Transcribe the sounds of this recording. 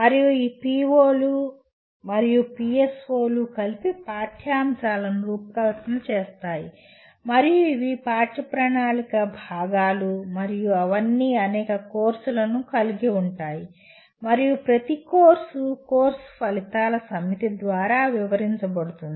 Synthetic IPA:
mɐɾijuiːpiːʋoːlu | mɐɾijupiesoːlukɐlipipaːʈʰjaːmsaːlɐnuɾuːpɐkɐlɐt̪ɐnɐt͡ʃeːst̪aːji | mɐɾijuiʋipaːʈɐpɾɐɳaːlikɐbʱaːɡaːlumɐɾijuɐʋɐnːiɐnɛːkɐkoːɾsulɐnukɐliɡiuɳʈaːji | mɐɾijupɾɐt̪ikoːɾsukoːɾsu̥pɐlit̪aːlɐsɐmːit̪id̪ʋaːɾaːʋiʋɐɾiɲt͡ʃɐbɐɽut̪und̪i

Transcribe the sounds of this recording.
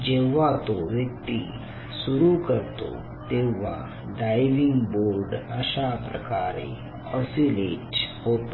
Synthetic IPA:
d͡ʒeʋat̪oʋjək̚t̪i | sʊɾukɐɾt̪o̰ | t̪eʋa | ɖaːɪʋɪ̃ŋɡboːɾɖəʃapɾɐ̰kaːɾḛ | ɔːsileːʈɦoːt̪

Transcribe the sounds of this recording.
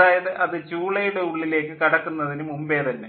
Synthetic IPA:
aːjɐðɨʔɐðɨt͡ɕuːɭɐjuɽe̞uɭːile̞ːkːɨkɐɽɐkːunːɐðinɨmumbe̞ːt̪ɐnːe

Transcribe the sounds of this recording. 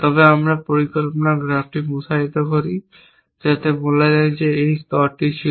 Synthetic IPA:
t̪ɔbeamɾapoɾikolponaɡɾabʈimusaɦit̪okoɾi | d͡ʑat̪eboled͡ʑajd͡ʑeejst̪ɔɾʈit͡ɕʰi

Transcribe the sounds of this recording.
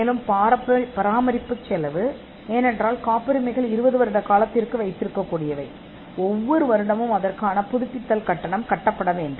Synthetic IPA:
eːlɯmpaːɾɐpːpɐɾaːmɐɾɪpːɯt͡ʃːɛlɐʋɯ | eːnɛndraːlkaːpɐɾɯmɐɪɣɐɭɪɾɯbɐðɯʋɐɾɯɽɐkaːlɐt̪ːɪrkɯʋɐɪt̪ːɪɾɯkːɐkːuːɽɪjɐʋɐɪ | ɔʋːɔɾɯʋɐɾɯɽɐmɯmɐðɐrkaːnɐpʊðʊpːɪt̪ːɐlkɐʈːɐɳɐmkɐʈːɐpːɐɽɐʋeːndɯ

